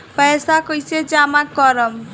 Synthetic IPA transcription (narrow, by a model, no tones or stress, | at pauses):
pəsakʌjsed͡ʒamakʌɾʌm